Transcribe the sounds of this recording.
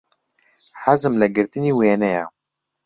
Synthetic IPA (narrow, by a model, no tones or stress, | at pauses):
ħazɨmlɛɡɨɾt̪ɨniːweːnɛja̰